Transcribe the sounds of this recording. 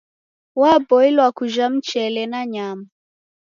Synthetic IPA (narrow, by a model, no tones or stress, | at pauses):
wabɔilwakuʒam̩t͡ʃɛlɛnaɲama